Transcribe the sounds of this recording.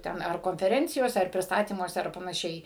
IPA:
ˈtʲɛn ɐr koːnʲfʲɛˈrʲɛnʲt͡sʲɪjoːsʲɛ ɐr pʲrʲɪsˈtɑːtʲiːmuɔsʲɛ ɐr pɐnɐˈʃʲɛɪ

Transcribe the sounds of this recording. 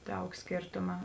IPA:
ˈdɐʊk ˈsʲkʲeːrtʊmɐ

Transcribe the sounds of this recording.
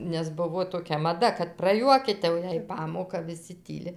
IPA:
nʲɛs ˈbʊʋoː toːˈkʲɛ mɐˈdɐ kɐt prɐˈjuɔkʲiːtʲ jɛʊ ˈjɛɪ ˈpɑːmoːkɐ ʋʲɪˈsʲɪ ˈtʲiːlʲɪ

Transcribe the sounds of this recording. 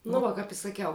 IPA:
nʊ ˈʋɐ kɐp ɪ sɐˈkʲɛʊ

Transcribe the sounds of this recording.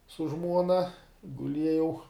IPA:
sʊ ˈʒmuɔnɐ ɡʊˈlʲiɛjɛʊ

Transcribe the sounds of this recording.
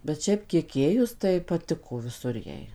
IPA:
bʲɛt ˈʃʲɛɪp kʲiɛk ˈeːjʊs tɐɪ pɐˈtʲɪkoː ʋʲɪˈsʊr ˈjɛɪ

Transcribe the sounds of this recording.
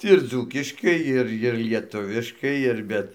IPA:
ɪr ˈd͡zuːkʲɪʃkɐɪ ˈɪr ɪr lʲiɛˈtʊʋʲɪʃkɐɪ ɪr ˈbʲɛt

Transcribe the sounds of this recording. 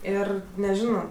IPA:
ˈɪr nʲɛˈʒʲɪnoː

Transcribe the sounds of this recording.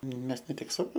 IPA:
ˈmʲɛs nʲɛ ˈtʲɪk sʊ ˈsɑːʋoː

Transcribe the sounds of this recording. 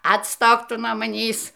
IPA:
ɐtˈstoːk ˈtʊ nuɔ mɐˈnʲiːs

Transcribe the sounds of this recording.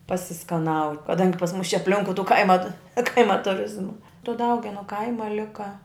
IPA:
pɐsʲɪskɐˈnɐʊ kɐˈdɐŋʲɡʲɪ pɐs mʊs t͡ʃʲɛ ɐpʲˈlʲɪŋkʊɪ tuː ˈkɐɪmɐ ˈkɐɪmɐ tʊˈrʲɪzmɐ tʊ ˈdɐʊɡʲɛnʊ ˈkɐɪmɐ ˈlʲɪkɐ

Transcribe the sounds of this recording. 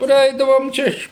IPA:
prɐˈɛɪdɐʋoːm ˈt͡ʃʲɛ ɪʃ

